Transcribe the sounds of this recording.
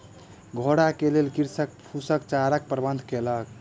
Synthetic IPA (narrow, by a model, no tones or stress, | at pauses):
ɡʱoɽakelelkiɾsək̚pʰusək̚t͡ʃaɾək̚pɾəbənd̪ʱkelək̚